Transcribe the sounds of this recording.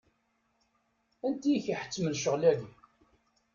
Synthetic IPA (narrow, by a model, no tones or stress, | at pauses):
ænt̪ijçiħə̥t͡sːməlʃəʁlæɡi